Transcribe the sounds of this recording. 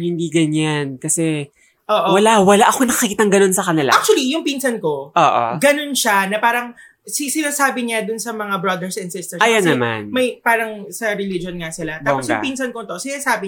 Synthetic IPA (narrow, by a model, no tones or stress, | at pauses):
hɪnd̪iɡɐɲankɐsɛ | ʔoːʔowɐlawɐlaʔɐkonɐkɐkikiːt̪aŋɡɐno̞nsɐkɐnɪla̰ʔak̚t͡ʃʊɐlijʊŋpiːnsɐnko̞ʔoːʔo̰ɡɐno̞nʃanɐpaːɾɐŋ | sɪsɪnaːsaːbɪɲad̪ʊnsɐmɐŋabɾɐd̪ɛɹsɛnd̪sɪst̪ɛɹʔajanɛɐma̰nmɐjpaːɾɐŋsɐɾɛlid͡ʒonŋasɪlat̪aːpŋɡsjʊ̰ŋpiːnsɐnkot̪o̞sɪnaːsaːbɪ